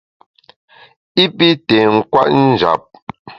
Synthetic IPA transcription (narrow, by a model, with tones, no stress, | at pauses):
i˦pi˦tɛ˨ŋ̩˦˨kwa̰˦ʔn̩˦d͡ʒa̰˨p̚